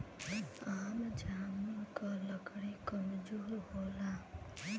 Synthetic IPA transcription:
amd͡ʒamukʌləɡɽikʌmd͡ʒoɾɦola

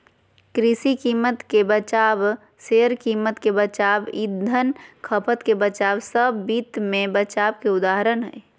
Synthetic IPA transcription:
kɾisikimət̪kebət͡ʃab | seɾkiːmət̪kebət͡ʃabid̪ʱːənkʰəpʰət̪kebət͡ʃabsəbːit̪mẽbət͡ʃabkeʊd̪aɦɾənɦɛ̰

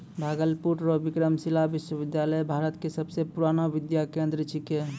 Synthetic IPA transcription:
bʱaɡəlpuɾɾɔbikɾəmsilabiʃwəbid̪jaləjbʱaɾət̪kesəbsepuɾanabid̪jakẽnd̪ɾət͡ʃʰike

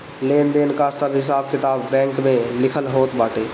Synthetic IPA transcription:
leːnd̪eːnkasɐbʱɦɪs̬aːb̚kɪt̪aːbːɛ̃ːŋkmẽlɪkʰəlɦoːt̪baːʈeː

